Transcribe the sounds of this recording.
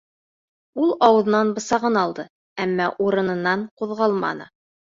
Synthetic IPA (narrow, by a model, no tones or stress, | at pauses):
ulˠɑwɤ̆ð̆nɑnbɤ̆sɑʁɤnɑlˠd̪ɤ | æmːɑʔuɾɤ̆nɤ̆nːɑɴquðʁɑlˠmɑ̰nɤ̰